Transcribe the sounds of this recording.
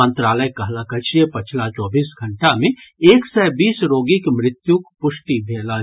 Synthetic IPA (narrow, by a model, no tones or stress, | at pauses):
ə̃nt̪ɾaːləjkɐɦlakət͡ʃijepɐt͡ʃʰlat͡ʃɔːbiːsɡʱɐ̃ɳʈamẽeːksɛːbiːsɾoːɡɪkmɾɪt̪jukpʊʃʈibʱeːla